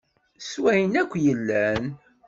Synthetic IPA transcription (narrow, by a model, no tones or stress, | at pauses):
swæjənækʷːjəlːæn